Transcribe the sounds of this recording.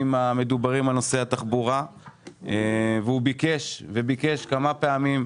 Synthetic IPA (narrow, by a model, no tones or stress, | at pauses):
mame̞d̪ubaʁimalno̞se̞hat̪aχbuʁa | eveubike̞ʃvebike̞ʃkamape̞amim